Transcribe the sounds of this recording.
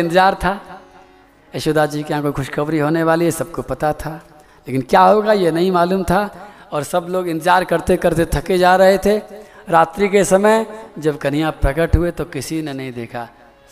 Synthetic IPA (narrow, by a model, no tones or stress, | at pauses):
ɪ̃nt̪ɪzaːɾt̪ʰaː | eʃod̪ʱad͡ʒiːkeɦãkoxʊʃkɐʋɾiɦoːneʋaːliesɐb̚kopɐt̪at̪ʰaː | leːkɪnkjaːɦoːɡajenɐɦĩmaːluːmt̪ʰaɔːɾsɐbloːɡɪ̃nt̪ɪzaːɾkɐɾt̪ekɐɾt̪et̪ʰɐked͡ʒaːɾɐɦet̪ʰeɾaːt̪ɾikesɐməjd͡ʒɐbkɐn̤ijãpɾɐkəʈɦʊet̪okɪsinenɐɦĩd̪eːkʰaː